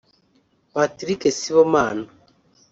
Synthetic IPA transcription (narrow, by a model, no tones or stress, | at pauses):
patɾikesiβomaːno